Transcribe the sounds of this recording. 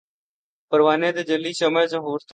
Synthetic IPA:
pəɾʋaːnẽːt̪eːd͡ʒəliːsəmajsãːɦoːɾt̪

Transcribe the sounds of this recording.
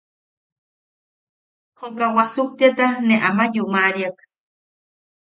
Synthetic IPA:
hokawasuk̚t̪iat̪aneʔamajuʔmaʔɾiak

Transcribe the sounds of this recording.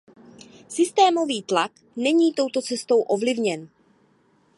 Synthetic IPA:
sɪst̪ɛːmo̞viːt̪lak | nɛɲiːt̪o̞wt̪o̞t͡sɛst̪o̞wʔo̞vlɪvɲɛn

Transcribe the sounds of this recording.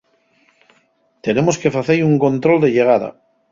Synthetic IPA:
t̪enemoskefaθeiuŋko̞nt̪ɾo̞ld̪eʎeɣ̞aða̰

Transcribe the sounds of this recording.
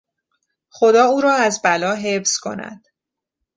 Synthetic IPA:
xo̞d̪ɒːuːɾɒːæzbælɒːɦefz̥kʰo̞̰næ̰d̪̥

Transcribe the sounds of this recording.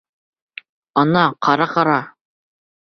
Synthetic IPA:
ɑnɑqʰɑɾɑqɑɾɑ

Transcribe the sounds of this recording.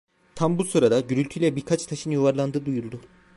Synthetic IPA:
t̪ʰambusuɾad̪aɟyɾylʲt̪ʰylʲɛbiɾkʰat͡ʃt̪ʰaʃɯnjuvaɾlˠand̪ɯːd̪ujulˠd̪u

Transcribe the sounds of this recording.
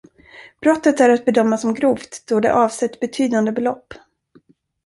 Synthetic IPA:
b̥ɾɔt̪ːət̪æɾat̪̚bɛd̪œmːasɔmɡɾuːft̪d̪̥ɔd̪ɛ̰ʔɑːvsɛt̪ːbɛt̪ʰyːd̪and̪əbɛlɔpː

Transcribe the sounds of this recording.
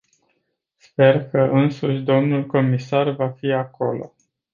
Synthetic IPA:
spe̞rkəʔɨnsuʃʲd̪o̞mnulko̞misarvafiako̞̰lo̞̰

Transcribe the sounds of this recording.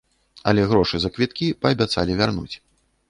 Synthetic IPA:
ɐ̰lʲɛɣɾɔʂɨzɐkvʲit̪kʲipɐːbʲat̪salʲivʲarnṵt͡sʲ

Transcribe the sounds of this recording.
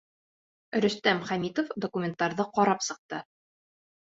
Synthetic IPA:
ɾɵ̆st̪æmχæmʲit̪ofd̪okumʲent̪ɑɾðɤqɒɾɑpsɤ̆q̚t̪ɤ

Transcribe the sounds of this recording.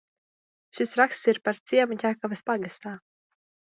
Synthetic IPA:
ʃisɾakst̪siɾpaɾt̪siɛmutʲaːkɔvaspaɡast̪aː

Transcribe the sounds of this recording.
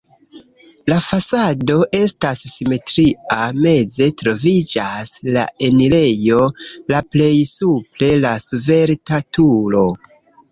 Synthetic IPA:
lafasado̞ʔe̞stasːime̞tɾiame̞ze̞tɾo̞vid͡ʒasla̰e̞nile̞jo̞laple̞jsuple̞lasuve̞ɾtatulo̞

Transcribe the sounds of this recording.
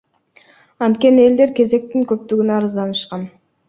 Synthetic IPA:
ɑnt̪kʲe̞nie̞ld̪e̞ɾkʲe̞ze̞k̚t̪iŋkɵp̚t̪yɡynɑɾɯzd̪ɑnɯʃqɑn

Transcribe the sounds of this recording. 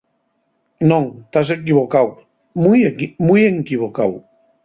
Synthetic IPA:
nõŋt̪as̬ekiβokaw | mujmujeŋkiβokaw

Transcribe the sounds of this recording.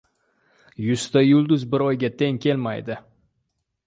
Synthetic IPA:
jʊst̪ajʊlˠd̪ʊzbɪɾɒjɡʲat̪ʰe̞ŋkʲe̞lmajd̪ɪ

